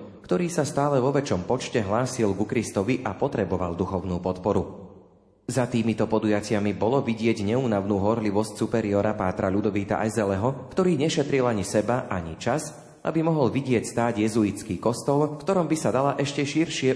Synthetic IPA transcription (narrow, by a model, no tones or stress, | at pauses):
kt̪ɔɾiːsast̪aːlɛʋɔʋɛt͡ʃɔmpɔt͡ʃcɛɦlaːsilɡukɾist̪ɔʋiʔapɔt̪ɾɛbɔʋa̰ld̪uxɔʊnuːpɔt̪pɔɾu | zat̪iːmit̪ɔpɔd̪ujacɪamibɔlɔʋiɟɪɛɟɲɛuːnaʊnuːɦɔɾliʋɔscsupɛɾiɔːɾapaːt̪ɾaʎud̪ɔʋiːt̪a̰ʔajzɛlɛɦɔkt̪ɔɾiːɲɛʃɛt̪ɾilaɲisɛbaʔaɲḭt͡ʃaz | ʔa̰bimɔɦɔlʋiɟɪɛcst̪aːɟjɛzuit͡skiːkɔst̪ɔlfkt̪ɔɾɔmbisad̪alaʔɛʃcɛʃiɾʃɪɛ